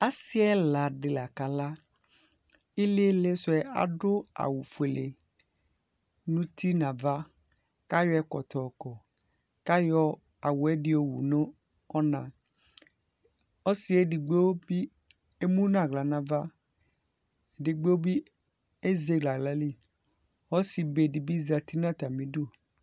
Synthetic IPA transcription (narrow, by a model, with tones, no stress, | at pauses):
a˦si˦ɛ˦la˨ɖɪ˨la˨ka˨la˦ | i˦le˦le˦sʊ˦ɛ˦a̰˨ɖʊ˦a̰˨wu˨fu˨e˨le˨ | nũ˦t̪i˦nã˨va˦ | ka˦jɔ˦ɛ˦kɔ˨t̪ɔ˨kɔ˨ | ka˦jɔ˦ | a˨wu˨ɛ˦ɖi˦o˨wṵ˨nõ˦ | ɔ˦nã˨ | ɔ˦si˨˦e˦di˨ɡ͡be˦wo˦bi˦ | e˦mũ˦nã˦˨ɡla˨nã˨va˦˨ | di˨ɡ͡be˦wo˦bi˦ | e˦ze˨˦ɡla˨ɡla˨li˦ | ɔ˦si˨be˨di˨bi˦za˨t̪i˦nã˦t̪a˨mĩ˨do˦˨